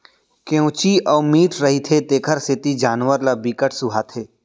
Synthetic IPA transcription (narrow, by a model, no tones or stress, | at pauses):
keõːt͡ʃiɔːmiːʈɾɐɦit̪ʰet̪eːkʰəɾset̪id͡ʒaːnʋəɾlabiːkəʈsʊɦat̪ʰeː